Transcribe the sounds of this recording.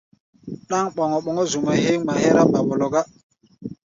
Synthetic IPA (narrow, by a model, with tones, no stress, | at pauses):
ɗa˦ŋɓɔ˨ŋɔ˨ɓɔ˨ŋɔ˦zu˨ma˨ɦe˦ŋma˨he˦ɾa˦ɓa˨bo˨lo˨ɡa˦